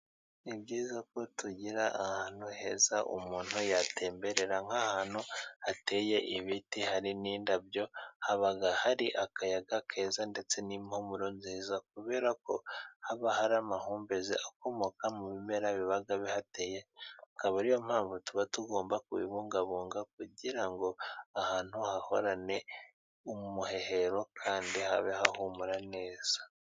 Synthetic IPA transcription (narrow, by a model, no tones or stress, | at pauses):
ibɟiːzako̞tuɟiɾaʔahaːn̥huhe̞ːzaʔṵmuːn̥hujatʰe̞ːmbe̞ɾe̞ɾaŋ̥ahaːn̥huate̞je̞ʔiβitihaɾiniːndabjo̞haβaɡahaɾiʔakajaɡakʰe̞ːzande̞t͡se̞nimhomuɾonziːzak̚uβe̞ːɾako̞̰haβahaɾamahuːmbe̞zeʔako̞mo̞kamuβime̞ɾaβiβaɡaβihate̞jeakaβaɾijo̞m̥haːɱvutuβatuɡo̞ːmbakuβḭβuŋɡaβuːŋɡak̚uɟiɾaŋɡo̞ahaːn̥huhaho̞ɾane̞ | umuhe̞he̞ɾo̞kʰaːndiha̰βe̞hahumuɾane̞ːz̥a